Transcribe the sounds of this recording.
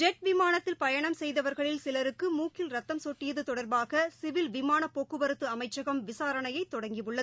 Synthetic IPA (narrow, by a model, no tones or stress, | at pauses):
d͡ʒɛʈ̚ʋɪmaːnɐt̪ːɪlpɐjɐɳɐmsɛjðɐʋɐɾɣɐɭɪlsɪlɐɾɯkːɯmuːkɪlɾɐt̪ːɐmsoʈːɪjɐðɯt̪ɔɽɐɾbaːɣɐsɪʋɪlʋɪmaːnɐpːoːkːɯbɐɾɯt̪ːɯɐmɐɪt͡ʃːɐɣɐmʋɪsaːɾɐɳɐjɐɪt̪ːɔɽɐŋɡɪʋɯɭːɐðɯ